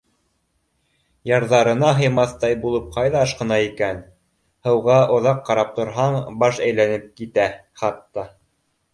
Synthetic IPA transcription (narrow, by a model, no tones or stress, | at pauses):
jɑɾðɑɾɤ̆nɑɦɤ̆jmɑθt̪ɑjbulˠɤp̚qɑjðɑɑʃqɤ̆nɑikæn | hɤ̆wʁɑʔŏðɑqːɑɾɑp̚t̪ŏɾɦɑɴbɑʃæjlænɘp̚kit̪æ | χɑt̪ːɑ